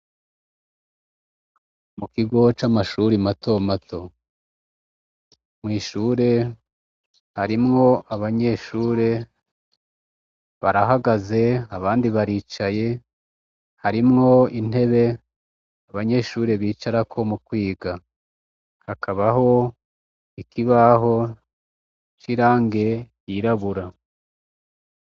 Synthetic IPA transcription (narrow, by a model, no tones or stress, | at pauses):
mukiɡo̞t͡ʃamaʃuːɾimato̞mato̞ | mŋiːʃuːɾe̞ | haɾimŋo̞ʔaβaɲe̞ʃuːɾe̞ | βaɾaɦaɡaze̞aβaːndiβaɾiːt͡ʃaje̞ | haɾimŋo̞in̥e̞βe̞ | aβaɲe̞ʃuːɾe̞βiːt͡ʃaɾakʰo̞mukwiːɡa | hakʰaβaɦo̞ | ikiβaɦo̞ | t͡ʃiɾaːŋɡe̞jiɾaβuɾa